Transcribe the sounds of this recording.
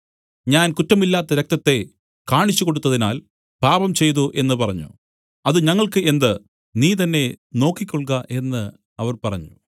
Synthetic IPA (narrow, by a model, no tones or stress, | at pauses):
ɲaːnkutːɐmilːaːt̪ːɐɾek̚t̪ɐt̪ːe̞ | kaːɳit͡ɕːuko̞ɽut̪ːɐðinaːl | paːbɐmt͡ɕe̞jt̪̬uʔe̞nːɨpɐrɐɲːṵ | ɐðɨɲɐŋːɐɭkɨe̞nd̪ɨ | niːt̪ɐnːe̞no̞ːkːikʲːo̞ɭkɐʔe̞nːɨ | ɐʋɐrpɐrɐɲːu